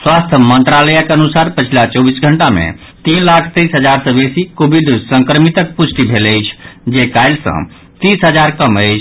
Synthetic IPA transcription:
swast̪ʰəmənt̪ɾaləjakeənusaɾpət͡ʃʰilat͡ʃɔbisɡʱəɳʈamḛ | t̪inlakʰt̪əjsɦəd͡ʒaɾsə̃besikobʱiɖsə̃ŋkɾəmit̪ək̚pusʰʈ̪ibʱeləjt͡ʃʰd͡ʒekajlsə̰̃ | t̪isɦəd͡ʒaɾkəməjt͡ʃʰ

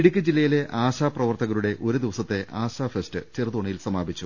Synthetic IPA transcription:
iɽikʲːɨd͡ʑilːɐjile̞ʔaːɕaːprɐʋɐrt̪ɐɣɐɾuɽe̞ʔo̞ɾud̪iʋɐsɐt̪ːe̞ʔaːɕaːfestɨt͡ɕirɐðoɳijilsɐmaːbʱit͡ɕːu

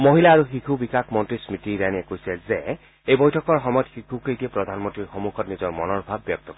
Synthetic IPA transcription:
moɦilaːɹuxikʰubikakʰmɔntɹismitiɾaniɛkojsɛze | ejbɔjtʰɔkɔɹxɔmɔjtxikʰukejtiɛpɹɔd̪ʱanmɔntɹiɹxomukʰɔtnizɔɹmɔnɔɹbʱabːjɔk̚t̪ɔkɔɹɛ

